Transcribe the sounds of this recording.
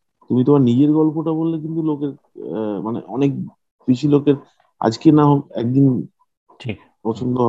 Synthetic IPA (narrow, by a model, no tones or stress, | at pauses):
t̪umit̪omaɾnid͡ʑeɾɡɔlpoʈabolːek̬int̪ulokeɾ | manḛʔɔnek̚ | b̥iʃilokeɾ | a̰d͡ʑkenaɦokɛk̚d̪inʰ | pɾɔt͡ɕʰond̪oɦɔ